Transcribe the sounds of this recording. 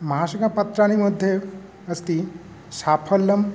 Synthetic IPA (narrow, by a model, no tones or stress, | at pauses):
məɦaɕəkapət̪ɾañiməd̪ʱːje | əst̪i | sapʰəlːəm